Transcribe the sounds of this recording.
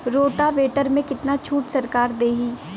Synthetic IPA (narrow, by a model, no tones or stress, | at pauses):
ɾoːʈaʋeːʈəɾmẽkɪt̪nat͡ʃʰuːʈsɐɾkaːɾd̪eːɦiː